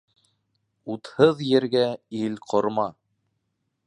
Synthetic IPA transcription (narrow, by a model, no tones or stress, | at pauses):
ut̪hɤðjɘ̆ɾɡæilqʰŏɾmɑ